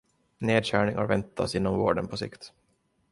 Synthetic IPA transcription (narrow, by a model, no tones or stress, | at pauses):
neːd̪ɕæːɳɪŋa̰ɾvɛnt̪ʰːasɪnːɔmvoːɖənpʰɔsɪ̰kt̪